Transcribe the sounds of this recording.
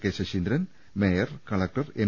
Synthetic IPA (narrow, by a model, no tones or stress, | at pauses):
keɕɐɕind̪ɾɐn | mejɐrkɐɭɐk̚ʈɐrem